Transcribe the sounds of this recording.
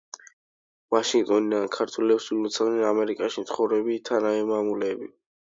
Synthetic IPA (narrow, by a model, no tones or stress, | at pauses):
vaʃiŋɡ̚t̪ʼɔnid̪ankʰaɾt̪ʰwulɛpsulɔt̪sʰalnɛnamɛɾikʼaʃimt̪sʰχɔvɾɛbit̪ʰanaɛmamulɛːbi